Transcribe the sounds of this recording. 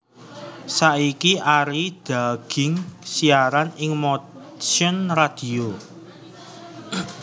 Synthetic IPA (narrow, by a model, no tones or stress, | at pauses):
saikiʔaɾid̪̥a̤ɡ̥ɪ̤ŋsiaɾanɪŋmo | siʊnrad̪̥i̤o